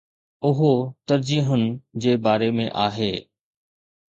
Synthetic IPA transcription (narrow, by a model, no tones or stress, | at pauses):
ʊɦot̪ɐɾd͡ʑiːɦʊnɪ̆d͡ʑeːbaːɾemḛ̃ʔaːɦeː